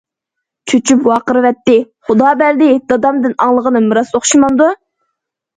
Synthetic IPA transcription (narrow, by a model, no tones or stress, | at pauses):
t͡ʃʰøt͡ʃʰypwɑːqəɾɨwɛt̪ːɪ | χʊd̪ɑːbɛɾd̪ɪd̪̥ɑd̪ɑmd̪ɨnɑŋlˠəʁənɨmɨɾɑsoχʃimɑnd̪u